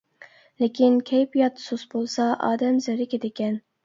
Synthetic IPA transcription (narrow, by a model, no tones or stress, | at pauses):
lekʲʰinkʲʰɛjpijɑt̪sosbolˠsɑʔɑ̰ːd̪ɛmzæɾɪkʲʰet̪ɪkʲɛn